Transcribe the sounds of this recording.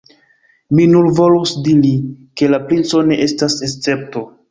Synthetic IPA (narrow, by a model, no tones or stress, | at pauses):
minulvo̞lusdiɾike̞lapɾint͡so̞ne̞ʔe̞stasest͡se̞p̚to̞